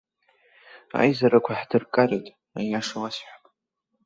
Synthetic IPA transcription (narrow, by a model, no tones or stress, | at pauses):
a̰jzaɾakʷʰaħdɨrkʼaretʼ | a̰jaʂawasħʷᶣḁpʼ